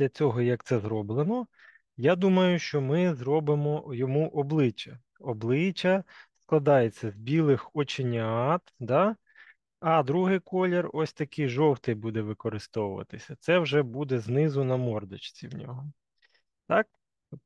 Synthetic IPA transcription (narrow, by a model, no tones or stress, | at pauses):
d̪lʲɐt͡sʲɔɦɔjɐk̚t̪sɛzɾɔblˠenɔ | jad̪umɐjʊʃt͡ʃɔmɪzɾɔbɪmɔjɔmuʔɔblˠɪt͡ʃɐ | ɔblˠɪt͡ʃɐsklˠɐd̪ɑjet͡sʲːɐzbʲilˠɪxɔt͡ʃenʲɐɑt̪d̪ɑ | ɐd̪ɾuɦɪjkɔlʲerɔsʲt̪ɐkɪjʒɔwt̪ɪjbud̪ɛʋɪkɔɾɪst̪ɔwʊʋɐ̰t̪ɪsʲɐt̪sɛwʒɛbud̪ɛznɪzʊnɐmɔrd̪ɐt͡ʃt͡sʲḭwnʲɔ̰ɦɔ | t̪ɑk̚